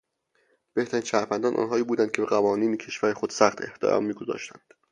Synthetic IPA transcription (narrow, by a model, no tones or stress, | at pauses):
b̥e̞ht̪ʰæɾiːnʃæːɾvænd̪ɒnʔɒ̰ːnɦɒːiːbuːd̪ænd̪cʰeeɣævɒːniːnecʰe̞ʃvæɾexod̪sæχt̪ʰe̞̰ht̪ḛɾɒ̰mːiːɡozɒ̰ːʃt̪ʰæ̰nd̪̥